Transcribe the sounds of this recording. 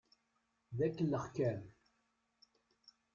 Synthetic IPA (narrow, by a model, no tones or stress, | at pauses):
ðækːəlːəχkæm